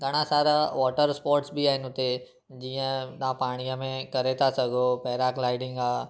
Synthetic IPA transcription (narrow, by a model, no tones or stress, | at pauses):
ɡɐɽ̃ãsaːɾaʋɔːʈəɾspɔːɾʈsbiaːɦɪnɪʊt̪e | d͡ʑiːə̃ɗ̪ãpaːɽ̃ijəmẽkɐɾet̪ʰasɐɡʱopɛːɾaːklaːɪɖɪ̃ŋɡaː